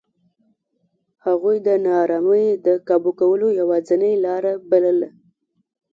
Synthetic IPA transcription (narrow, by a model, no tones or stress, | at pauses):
haɣujd̪ənɑɾɑməjd̪əkɑbukawəlojawɑzənəjlɑɾabaləla